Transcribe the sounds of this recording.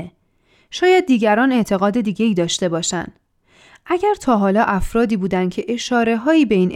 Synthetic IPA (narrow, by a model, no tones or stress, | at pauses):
ʃɒːjæd̪̚ːiːɟæɾɒːne̞ʔt̪ʰe̞ɣɒːd̪e̞d̪iːɟe̞iːd̪ɒːʃt̪e̞bɒːʃæ̰nd̪̥ | ʔæɟæɾt̪ʰɒːɦɒːlɒːʔæfɾɒːd̪iːbuːd̪ænd̪̥cʰe̞ʔe̞ʃɒːɾe̞ɦɒːiːbe̞iːn